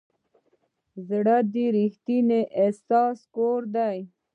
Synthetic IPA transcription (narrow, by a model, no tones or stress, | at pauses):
zɽad̪iɾixt̪ineʔesɑːskoɾd̪aj